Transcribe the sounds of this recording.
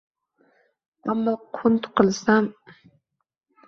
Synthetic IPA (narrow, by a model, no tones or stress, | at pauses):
amːaqʰʊnt̪qɨlsam